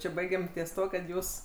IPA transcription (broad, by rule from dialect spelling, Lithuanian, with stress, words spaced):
ˈt͡ʃʲɪ ˈbɐɪɡʲɛm tʲiɛs ˈtuɔ kɐt ˈjuːs